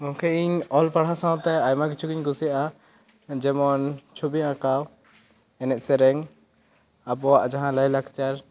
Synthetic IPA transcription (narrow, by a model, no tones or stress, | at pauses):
mɔ̃kʰɛiɲɔlpaɽɦasãw̃t̪ɛajmãk̬it͡ʃʰukiɲɡusijaʔa | d͡ʒɛmɔnt͡ʃʰubiãkaw | ɛnɛt̪̚ˀsɛɾɛŋ | abɔwaʔd͡ʒaɦãləjlakt͡ʃaɾ